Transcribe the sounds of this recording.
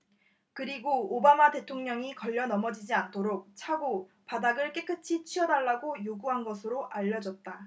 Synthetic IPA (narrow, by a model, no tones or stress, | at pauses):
kɯɾiɡoːbamate̞tʰoŋɲʌŋikʌʎːʌnʌmʌd͡ʑid͡ʑiantʰoɾok̚t͡ɕʰaɡo | padaɡɯɭk͈ek͈ɯt͡ɕʰit͡ɕʰiʌdaɭːaɡojoɡuɦanɡʌsʰɯɾoʔaʎːʌd͡ʑʌt̚t͈a